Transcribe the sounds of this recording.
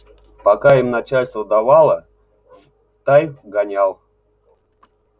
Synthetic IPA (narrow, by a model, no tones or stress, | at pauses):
pakaimnat͡ɕalʲst̪vəd̪avalˠə | t̪ajɡanʲalˠ